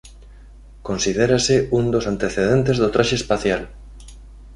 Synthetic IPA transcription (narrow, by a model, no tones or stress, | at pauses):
konsiðeɾasɪund̪osant̪eθeð̞ent̪ezðot̪ɾaʃeːspaθjal